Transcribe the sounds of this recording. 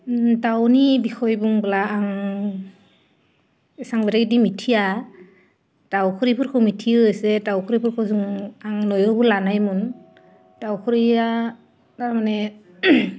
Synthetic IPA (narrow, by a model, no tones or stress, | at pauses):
tawnibixʰɔjbuŋblaːŋ | ɛsaŋbɛɾaɡidimitʰija | tawkʰɯɾipʰuɾkʰɯmitʰiɯɯsɛtawkʰɔɾipʰuɾkʰɯzuŋaŋnɔjɔbulanajmun | tawkʰɯɾia | taɾmanɛ